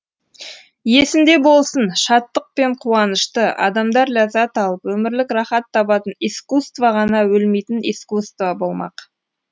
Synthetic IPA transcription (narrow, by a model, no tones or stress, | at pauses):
je̞sɪmd̪e̞bo̞lˠsənʃɑt̪ːəq̚pe̞ɴqʰuɑnəʃt̪əʔɑ̰d̪ɑmd̪ɑɾlʲazɑt̪ɑlˠəpwɵmɪɾlɪkrɑχɑt̪ʰːɑbɑt̪ənijskust̪vɑʁɑnɑwɵlmejt̪ɪniskust̪vɑbo̞lˠmɑ̰q